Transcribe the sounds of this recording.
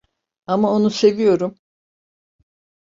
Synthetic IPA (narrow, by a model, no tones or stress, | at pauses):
amao̞nuse̞vijo̞ɾum